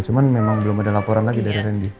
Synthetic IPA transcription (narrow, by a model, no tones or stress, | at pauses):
t͡ʃumanmemaŋbəlʊmadalapoɾanlaɡidaɾiɾɛndi